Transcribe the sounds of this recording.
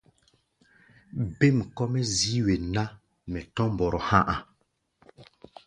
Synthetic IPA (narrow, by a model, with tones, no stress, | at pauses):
be˦˨m˨kɔ˦mɛ˦zi˦we˨na˦ | mɛ˨tɔ̃˦m˨bɔ˨ɾɔ˨hã˦ʔa˨